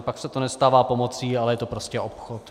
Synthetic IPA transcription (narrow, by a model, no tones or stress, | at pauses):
paksɛt̪onɛst̪aːvaːpomot͡siːalɛjɛt̪opɾoscɛʔopxot̪